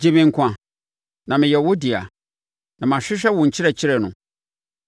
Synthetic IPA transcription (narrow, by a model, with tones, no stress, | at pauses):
d͡ʑe˨mɪ̃˨ŋ̩˨kʷʰã˨ | nã˨mɪ̃˨jɛ˨wo˦di˨a̰˨ | nã˨m˨ã˨ɕᶣɪ˦ɕᶣɛ˦wʊ̃˨ɲ̩˨t͡ɕʰɪ˦ɾɛ˨t͡ɕʰɪ˦ɾɛ˨nʊ̰̃˨